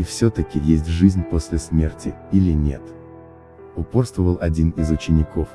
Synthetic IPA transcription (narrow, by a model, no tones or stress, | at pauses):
ifsʲɵt̪əkʲɪjesʲtʲʐɨzʲnʲposʲlʲɪsmʲe̞rtʲɪilʲɪnʲe̞̰t̪ | ʊpo̞rst̪vəvəlˠɐdʲinɪzʊt͡ɕɪnʲɪkʰo̞f